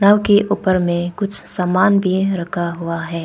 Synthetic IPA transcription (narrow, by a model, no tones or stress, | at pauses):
nəʋkeʔuːpəɾmẽkʊt͡ʃʰsaːmaːnbʱiɾɐkʰaɦuaɦɛː